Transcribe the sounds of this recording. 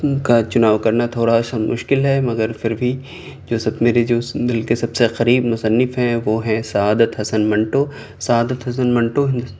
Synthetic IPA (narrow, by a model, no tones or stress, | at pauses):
kat͡ʃʊnaːʋkɐɾnat̪ʰoːɽaʃamʊ̰ʃkɪlɦɛmɐɡəɾpʰɪɾbʱi | d͡ʒoːsɐbmeːɾed͡ʒoːbɐlkesɐbseqɐɾiːbmʊsənːɪfɦɛ̃ʋoːɦɛ̃sɐaːd̪ət̪ɦɐsənmɐ̃ɳʈoː | sɐaːd̪ət̪ɦɐs̬ənmɐ̃ɳʈoɦɪ̃nd̪